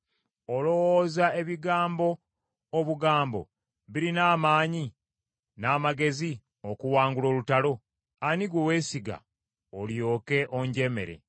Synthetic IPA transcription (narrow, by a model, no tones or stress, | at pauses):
olo̞woːzae̞βiɡaːmbo̞ː | βuɡaːmbo̞̰ | βiɾinaːmaːɲi | naːmaɡe̞zi | okuwaːŋɡulo̞ːlutalo̞ | aniɡwowe̞ːsiɡa̰ | oljo̞ːke̞ʔoɲɟe̞me̞̰ɾe̞̰